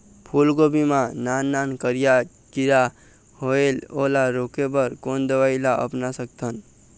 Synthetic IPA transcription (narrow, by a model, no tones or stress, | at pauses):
pʰulɡobimãnanːankəɾija | kiɾa | hoelolaɾokebəɾkond̪əʋailaə̰pnasək̚t̪ʰən